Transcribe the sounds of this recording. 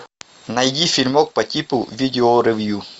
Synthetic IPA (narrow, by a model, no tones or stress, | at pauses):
nɐjdʲifʲilʲmok̚pɐtʲipuvʲid̪ʲɪoɾevju